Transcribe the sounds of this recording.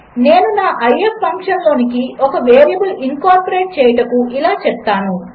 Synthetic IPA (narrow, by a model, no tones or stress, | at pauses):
ne̞ːnunaːʔɐjepʰːɐŋkʂɐnlo̞ːnikiɔkɐʋeːɾijɐbɐliŋkaːɾpɐɾeːʈ̚t͡ʃɛːjɐʈɐkuʔilaːt͡ʃɛp̚t̪aːnu